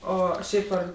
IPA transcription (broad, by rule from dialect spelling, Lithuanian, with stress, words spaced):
ˈoː ˈʃʲɛɪp ɐr